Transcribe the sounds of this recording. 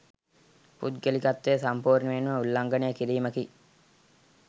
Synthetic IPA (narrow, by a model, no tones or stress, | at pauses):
pṵt̪ɡelikat̪ːeːsampuːɾnəʋenːuʋəulːaŋɡənejːkiɾiːməki